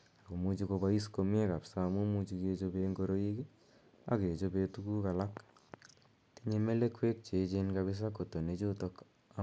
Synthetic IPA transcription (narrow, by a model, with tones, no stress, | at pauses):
a˨ko˨mu˦t͡ʃi˦ko˧ba˦i˦sko˨mɪ˦e˦ka˨psa˦mu˦mu˦t͡ʃi˧ke˦t͡ʃo˦be˧ŋɡo˦ɾo˦i˦ki˦ | a̰˨ke˨t͡ʃo˦be˦tu˦ku˦ka˨la˦k | ti˦ɲe˦me˦le˦kwe˦k̚t͡ʃe˨t͡ʃe˦nka˧bɪ˦s̬a˦ko˨to˨ne˨t͡ʃo˦to˦k | a˦